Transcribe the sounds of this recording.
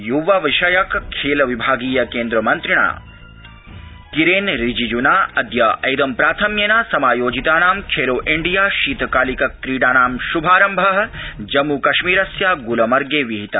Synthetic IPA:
juʋɐʋiʃɐjɐkkʰːeːlɐʋibʱaːɡiːjɐkeːnd̪ɾɐmɐnt̪ɾiɳa̰ː | kiɾeːnɾid͡ʒid͡ʒunaːɐd̪jɐʔɐjd̪ɐmpɾaːt̪ʰɐmjɐnaːsɐmaːjoːd͡ʒit̪aːnaːmkʰeːloːʔiɳɖijaːʃiːt̪ɐkaːlikɐkːɾiːɽaːnaːmʃubʱaːɾɐmbʱɐɦɐd͡ʒɐmukɐʃmiːɾɐsjaːɡulɐmɐɾɡeːʋiɦit̪ɐ

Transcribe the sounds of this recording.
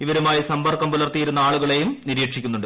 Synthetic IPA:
iʋɐɾumaːjisɐmbɐrkɐmpulɐrt̪ːijiɾunːɐaːɭuɣɐɭe̞jumniɾiːʈʂikʲːunːuɳɖɨ

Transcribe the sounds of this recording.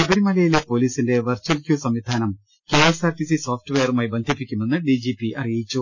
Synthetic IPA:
kɐbɐɾimɐlɐjilepo̞ːliːsinde̞ʋɐrt͡ɕwɐlkjuːsɐmʋid̪ʱaːnɐm | keːɐsaːrʈːisiso̞ːfʈɨʋe̞jɐrumaːjibend̪ʱipːikʲːume̞nːɨɖid͡ʑipːiʔɐrijit͡ɕːu

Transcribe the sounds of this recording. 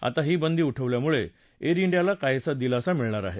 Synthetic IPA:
a̰t̪aɦiːbənd̪ʱiːuʈʰəʋljamuɭe | eɾiɳɖijalakajesad̪ilaəsamiɭɳ̃aɾa̰ɦe

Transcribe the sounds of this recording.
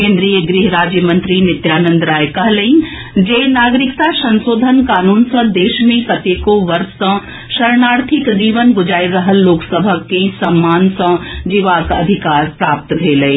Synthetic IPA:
kẽːnd̪ɾijəɡɾiːɦɾaːd͡ʒjəmɐ̃nt̪ɾinɪt̪jaːnə̃nd̪ɾaːjkɐɦlɐĩ | d͡ʒeːnaːɡɾɪkt̪asɐ̃nsoːd̪ʱənkaːnuːnsɐ̃d̪eːʃmẽkɐt̪eːkoʋɐɾssɐ̃ | ʃɐɾnaːɽt̪ʰɪkd͡ʒiːʋənɡʊd͡ʒaːiɾɐɦəlːoːksəbʱəkesɐmːaːnsɐ̃d͡ʒiʋaːkɐ̰d̪ʱɪkaːɾpɾaːp̚t̪d̪ʱelɐe

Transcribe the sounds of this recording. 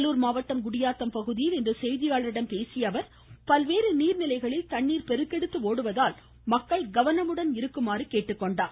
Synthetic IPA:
lːuːɾmaːʋɐʈːɐmɡʊɽɪjaːt̪ːɐmpɐɣɯðɪjɪlɪndrɯsɛjðɪjaːɭɾɪɽɐmpeːsɪjɐʋɐɾ | pɐlʋeːɾɯniːɾnɪlɐɪɣɐɭɪlt̪ɐɳːiːɾpɛɾɯk̪ːɛɽɯt̪ːɯoːɽɯʋɐðaːl | mɐkːɐɭɡɐʋɐnɐmɯɽɐnɪɾɯkːɯmaːɾɯkeːʈːɯkːɔɳɖaː

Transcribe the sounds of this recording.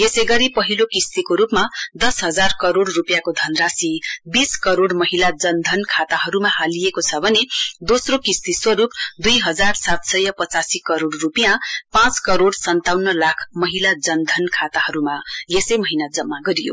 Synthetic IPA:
jesʌjɡʌɾipʌɦilokist̪ikoɾupmad̪ʌsɦʌd͡zarkʌɾoɽrupjakod̪ʱʌnrasibiskʌɾoɽmʌɦilad͡zʌnd̪ʱʌnkʰat̪aɦʌɾumahalijekot͡sʰʌbʱʌned̪osrokist̪iswʌɾup̚d̪ujɦʌd͡zarsat̪sʌjʌpʌt͡sasikʌɾoɽrupijãpãt͡skʌɾoɽsʌnt̪awnːʌlakʰmʌɦilad͡zʌnd̪ʱʌnkʰat̪ahʌɾumajesʌjmʌɦinad͡zʌmːaɡʌɾijo̰

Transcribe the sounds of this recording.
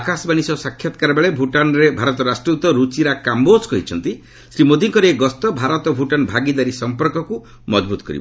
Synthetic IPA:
akasbañisɔsakʰjat̪ɔkaɾbeɭebʱuʈanɾebʱaɾɔt̪ɔɾasʈɾut̪ɔɾut͡ʃiɾakamboskɔɦit͡ʃʰɔnt̪i | sɾimod̪iŋkɔɾeeɡɔst̪ɔbʱaɾɔt̪ɔbʱuʈanbʱaɡid̪aɾisɔmpɔɾkɔku | mɔd͡ʒbut̪ɔkɔɾḭbɔ

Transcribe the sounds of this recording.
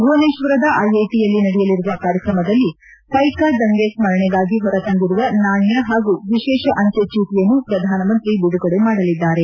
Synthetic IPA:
muɐneʃʋɐɾɐd̪ɐʔɐjɐjʈijɐlːinɐɽɛjɐliɾuʋɐkaːɾjɐkɾɐmɐd̪ɐlːi | pɐjkad̪ɐŋɡesmɐɾɐɳeɡaːɡiɦɔɾɐt̪ɐŋɡiɾuʋɐnaːɳjɐɦaːɡuʋiʃɛːʃɐʔɐɲt͡ʃet͡ʃiːt̪ijɐnːupɾɐd̪ʱaːnɐmɐnt̪ɾibiɽuɡɐɽemaːɽɐlid̪ːaːɾe̞

